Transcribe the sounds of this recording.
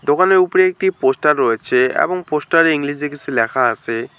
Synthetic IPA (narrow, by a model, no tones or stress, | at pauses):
d̪okaneɾupoɾeek̚ʈiposʈaɾːɔet͡ɕʰeḛboŋposʈaɾeiŋliʃ̬ekit͡ɕʰulɛkʰaat͡ɕʰe